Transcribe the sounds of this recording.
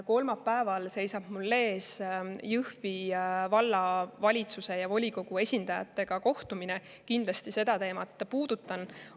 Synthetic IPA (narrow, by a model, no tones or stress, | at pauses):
ko̞lmɑpːæevɑlse̞jsɑb̥mulːe̞ːsjɯhvivɑlːɑvɑlʲit̪suse̞jɑvo̞lʲiko̞ɡ̥ue̞sʲind̪ɑjɑ̰t̪ːˑe̞ɡ̥ɑko̞ht̪umine | kind̪lɑst̪ise̞d̪̥ɑt̪e̞ːmɑt̪ːˑpuːd̪̥ut̪ːˑɑn